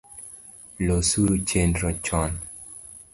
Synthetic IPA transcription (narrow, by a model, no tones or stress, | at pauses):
losuɾut͡ʃendɾɔt͡ʃɔn